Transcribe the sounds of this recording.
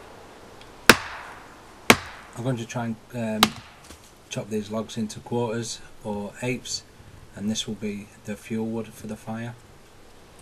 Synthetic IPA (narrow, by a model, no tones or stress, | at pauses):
aɪɡõʊ̃ntətʰɹ̥aɪə̃nm | t͡ʃʰɒp̚ðiːzlɒɡz̥ɪ̃ntʰukʰw̥ɔˑtəzəeɪps | ə̃nðɪswɪlˠbiðəfjuːlˠwʊd̥fəðəfaɪə